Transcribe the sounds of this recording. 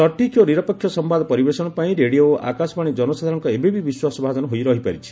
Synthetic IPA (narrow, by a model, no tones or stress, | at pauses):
sɔʈikʰjoniɾɔpɔkʰːjɔsɔmbad̪ɔpɔɾibesɔɽ̃ɔpaĩɾeɽijoʔa̰kasɔbaɽ̃id͡ʒɔnɔsad̪ʱaɾɔŋkɔebebibiswasɔbʱad͡ʒɔnɔɦojɾɔɦipaɾit͡ʃʰi̥